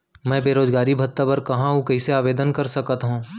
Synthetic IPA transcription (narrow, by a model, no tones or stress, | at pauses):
mɛ̃ːbeːɾoːd͡ʒɡaːɾibʱɐt̪ːapɐɾkɐɦãɦũkɐɪseaːʋeːd̪ənkɐɾsɐkət̪ɦũː